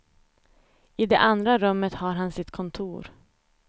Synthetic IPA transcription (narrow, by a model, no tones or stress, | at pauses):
ɪd̪ɛʔand̪ɾaɾɵmːət̪haɾɦansɪt̪kʰɔnt̪ʰuːɾ